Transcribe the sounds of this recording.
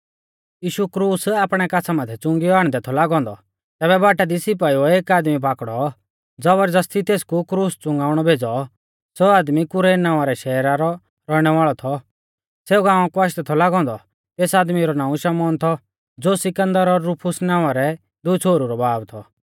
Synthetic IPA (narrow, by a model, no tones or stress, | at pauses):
jiːʃukɾuːsaːpɽ̃ɛkat͡sʰamat̪ʰɛt͡sʊ̃ŋɡiɔaːɽ̃d̪ɛt̪ʰɔlaːɡɔ̃ːnd̪ɔ | t̪ɛːβɛbaːʈad̪isɪp̬aːiɔeːkaːd̪mip̬aːkɽɔ | d͡zɔbəɾd͡zɐst̪ʰit̪eːskukɾuːst͡sʊ̃ŋɡaːʊɽ̃ɔbʱeːd͡zɔ | soːaːd̪mikʊɾeːnãːaɾɛʃɛːɾaɾɔ | ɾɔɽ̃ɛʋaːɭɔt̪ʰɔ | seːuɡãːɔ̃kuaʃ̬t̪ɛt̪ʰɔlaːɡɔ̃ːnd̪ɔ | t̪eːsaːd̪miɾɔnãːũʃɐmɔːnt̪ʰɔ | d͡zoːsɪkə̃nd̪əɾɔɾːupʰʊsnãːʊ̃aɾɛ | d̪ʊit͡sʰoːɾuɾɔbaːbt̪ʰɔ